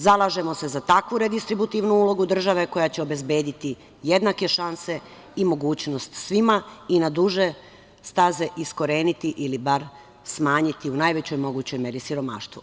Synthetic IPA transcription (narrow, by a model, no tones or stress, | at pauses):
zalˠaʒe̞mo̞se̞zat̪akʋuɾed̪ist̪ɾibut̪iʋnuuːlˠo̞ɡud̪r̩ʒaʋe̞ko̞jat͡ɕeo̞be̞zbe̞ːd̪it̪i | je̞d̪nakeʃanse̞ | imo̞ɡuːt͡ɕno̞st̪sʋimainad̪uʒe̞ | st̪aze̞ʔisko̞ɾe̞ːnit̪iʔilibaɾ | smaːɲit̪iunajʋet͡ɕo̞jmo̞ɡuːt͡ɕo̞jme̞ɾisiɾo̞ma̰ʃt̪ʋṵ